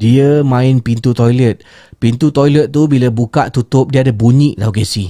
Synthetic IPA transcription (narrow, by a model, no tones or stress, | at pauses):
diəmãɪnpint̪ut̪ɔjlət̪̚ | pint̪ut̪ɔjlət̪̚t̪ːubilabukaʔt̪ut̪ʊp̚diəadabuɲĩʔdawɡɛsi